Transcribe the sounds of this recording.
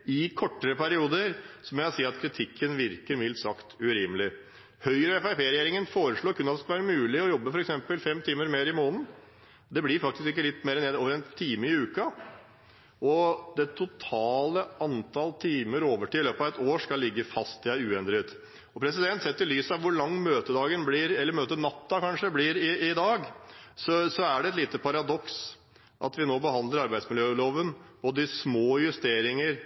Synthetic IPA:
ɪkʰɔʈːəɾəpʰæɾɪuːd̪əɾsɔmɛɑsiːəɾɑt̪̚kʰɾɪt̪ʰɪkʰːənʋɪɾkəɾmɪlt̪sɑkt̪ʉɾɪmlɪ | hœʏɾəɛfæɪpʰjeːɾɛjeːɾɪŋənfoːɾəʂɭoːkʰʉnɑt̪ɛsklʋæːɾəmʉːlɪɔjɔbːəfɔɾɛksɛmpəlfɛmt̪ʰiːməɾmeːɾɪmoːnn̩ | d̪ɛblɪɾfɑkt̪ɪskɪkːəlɪt̪ːmeːɾəneːd̪oːʋəɾɛnt̪ʰiːməɪʉːkɑ | ɔd̪ɛt̪ʰʊt̪ʰɑːləʔɑnt̪ʰɑlt̪ʰiːməɾoːʋəʈiɪløːpɑʋɛt̪oːʂkɑlːɪɡːəfɑst̪ɪæʉːɛnd̪ɾɪt̪ | ɔpʰɾɛs̬ɪd̪ɛnt̪sɛt̪ːəɾɪlyːsɑʋʋʊɾɭɑŋːmøːt̪əd̪ɑːɡənblɪɾɛlːəɾmøːt̪ənɑt̪ːɑkɑnʂəblɪɾɪɪd̪ɑːɡsɔsɔæɖɛɛt̪liːt̪əpʰɑɾɑd̪ɔks | ʔɑ̰t̪ʋɪnoːbəɦɑnd̪ləɾɑɾbæɪsmɪljøːloːʋənb̥oːd̪əɪsmoːjʉst̪eːɾɪŋəɾ

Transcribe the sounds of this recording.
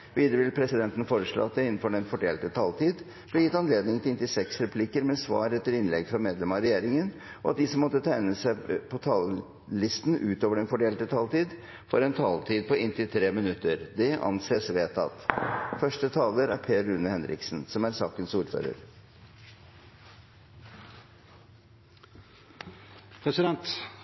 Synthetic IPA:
ʋiːd̪ɾəʋɪlpʰɾɛsɪd̪ɛnt̪n̩foːɾəʂɭo̰ːɑt̪̚d̪ɛɪnːn̩fɔɖɛnfɔɖeːlt̪ət̪ʰɑlt̪ʰiːd̪ | b̥lɛjɪt̪ːɑnleːd̪nɪŋt̪ɪlɪnt̪ɪsɛksɾɛpʰlikəɾmɛsʋɑ̰ːɾɛt̪ːəɾɪnlɛɡfɾɑmeːd̪lɛmɑɾɛjeːɾɪŋən | ʔɔɑt̪̚d̪ɪsɔmːɔt̪ːət̪ʰæɪnəsæɪpʰɔt̪ʰɑl | lɪst̪n̩ʉ̰ːt̪oːʋəɖɛnfɔɖeːlt̪ət̪ʰɑlt̪iːd̪ | fɔɾɛnt̪ʰɑlt̪ʰiːd̪̚pɔɪnt̪ɪlt̪ʰɾeːmɪnʉt̪ːəɾd̪ɛʔɑ̰nseːsʋeːt̪ɑ̰t̪fœʂʈət̪ʰɑːləɾæɾpʰeːɾʉnːəhɛnɾɪ̰ksn̩sɔmæɾsɑːkənsuːɾfø̰ːɾə̰ɾ | pʰɾɛsɪd̪ɛnt̪

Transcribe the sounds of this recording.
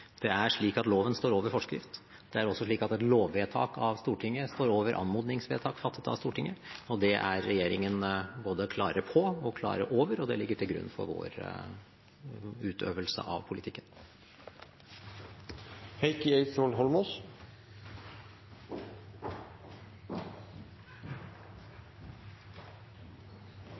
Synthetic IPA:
d̪̥ɛæʂɭiːkɑt̪loːʋənst̪oːɾoːʋəɾfɔʂkɾɪ̰ft̪ | d̪̥ɛæɾɔsːɔʂɭiːkɑt̪ɛt̪loːʋʋeːt̪ʰɑ̰ːkɑʋst̪uːʈʰɪŋːəst̪oːɾoːʋəɾʔɑ̰nmuːd̪nɪŋsʋḛːt̪ʰɑːkfɑt̪ʰːət̪ɑ̰ʋst̪uːʈɪŋːəɔd̪ɛʔæɾːɛjeːɾɪŋənboːd̪əkʰlɑːɾəpʰɔɔkʰlɑ̰ːɾəʔoːʋəɾɔd̪ɛlɪɡːəʈʰɪlɡɾʉ̰nːfɔ̰ɾʋo̰ːɾ | ʉːt̪ʰø̰ːʋəlsə̰ʔɑ̰ʋpʰʊlɪt̪ʰɪkːən | hɛɪkɪeɪt̪soːlɦɔlmɔs

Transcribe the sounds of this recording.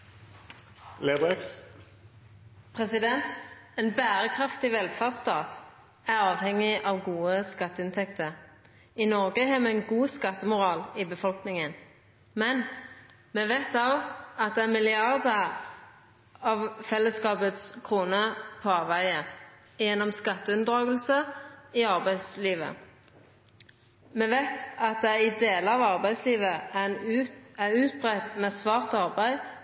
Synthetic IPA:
led̪ɛk | pʰʁɛsɪd̪ɛnt̪ɛnbæːʁəkʰʁɑft̪ɪʋɛlfæʁdst̪ɑːt̪ | æʁɑːʋhɛŋɪʔɑʋɡuːəskɑt̪ːəɪnt̪ʰɛkt̪ʰəʁ | ɪnɔʁɡəɦɑːmɛɛnɡuːskɑt̪ːəmʊʁɑːlibəfɔlknɪŋən | mɛn | mɛʋæɪt̪ɑɑt̪̚d̪ɛæmɪlɪɑʁd̪ə | ɑʋfɛlːəskɑːpət̪skʰʁuːnəpʰoɑːʋʋæɪə | jɛnːɔmskɑt̪ːəʉnd̪ʁɑːɡəlsəiɑʁbæɪsliːʋə̰ | mɛʋæɪt̪ɑt̪̚d̪ɛæʁɪd̪eːləɑʋɑʁbæɪsliːʋənʉæʁʉːt̪̚bʁɛt̪mɛːsʋɑːʁt̪ɑʁbæɪ

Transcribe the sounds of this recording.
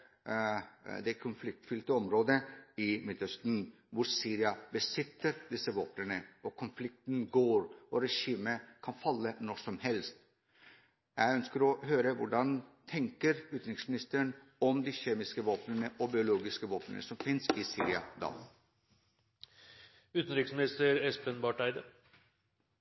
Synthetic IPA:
d̪ɛkʰʊnflɪk̚t̪fʏlt̪əɔmɾoːd̪əɪmɪt̪œst̪n̩ | ʋʊɾsiːɾɪɑbəsɪt̪ːəɾd̪ɪsəʋo̰ːpnənəʔɔkʰʊnflɪk̚t̪nɡoːɾɔɾɛʂiːməkʰɑnfɑlːənɔʂɔmhɛlst̪ | jæɪœnskəɾɔhøːɾəʋʊɖɑnt̪ʰɛŋkəɾʉːt̪n̩ɾɪksmɪnɪst̪əəɳ | ɔmd̪iːçeːmɪskəʋoːpnənəʔɔbɪʊloːɡɪskəʋoːpnə̰nə̰sɔmfɪnsɪsḭːɾɪɑ̰d̪ɑ̰ː | ʉːt̪n̩ɾɪksmɪnɪst̪əɾɛspənbɑʈæɪd̪ə

